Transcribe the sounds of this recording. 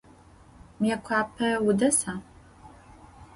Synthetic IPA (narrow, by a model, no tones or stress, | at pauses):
mijɛkʷʰaːpʰɐwʊdɐsaː